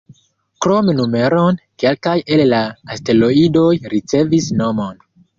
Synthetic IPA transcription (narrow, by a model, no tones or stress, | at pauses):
kɾo̞menume̞ɾonke̞lkaje̞lːaːste̞lo̞ido̞jɾit͡se̞visno̞mo̞n